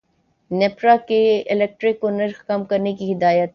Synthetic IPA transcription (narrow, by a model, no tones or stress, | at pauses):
nɛpɾakeɪlɛk̚ʈɾɪkːonɐɾxkɐmkɐɾnekiɦɪd̪aːjət̪̚